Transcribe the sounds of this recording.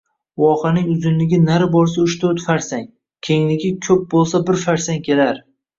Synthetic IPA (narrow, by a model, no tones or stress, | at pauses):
wɒqʰanɪŋʊzɪnlɪɡʲɪnaɾɪbɒɾs̬aʊʃt̪ʰot̪faɾsaŋ | kʲʰe̞ŋlɪɡʲɪkʲʰɵp̚bolˠsabɪɾfaɾsaŋkʲʰe̞laɾ